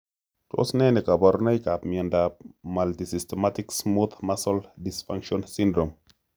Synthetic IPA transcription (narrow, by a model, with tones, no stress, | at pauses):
to̰˦sne˦ne˨ka˨ba˨ɾna˦jka˨pmi˨a˨nda˨p̚ma˨lti˨si˨ste˨ma˦ti˦ksmu˦t̪ma˦so˦ldi˨sfa˦ŋkʃo˦nsi˦ndɾo˨m